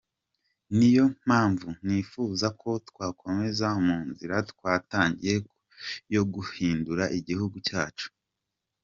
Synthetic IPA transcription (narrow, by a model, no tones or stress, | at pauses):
nijo̞m̥haːɱvun̥ifuːzakʰo̞tkwaːkʰo̞me̞zaumuːnziɾatkwaːtaːɲɟije̞ | jo̞ɡuhiːnduɾaʔiɟihuɡucaːt͡ʃu̥